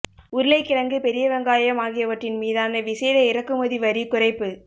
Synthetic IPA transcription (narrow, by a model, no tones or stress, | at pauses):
ʊɾɪlɐɪkːɪɾɐŋɡɯpɛɾɪjɐʋɐŋɡaːjɐmaːɣɪjɐʋɐʈrɪnmiːðaːnɐʋɪsɛːðɐɪɾɐkːɯmɐðiʋɐɾikʊrɐɪpːɯ